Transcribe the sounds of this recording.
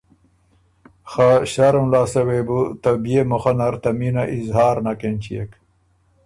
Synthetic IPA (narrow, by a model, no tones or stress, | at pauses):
xaɕaɾumlaːsɐwebut̪ɐbijemoxanɐɾt̪ɐminaʔizɦaːɾnakent͡ɕiek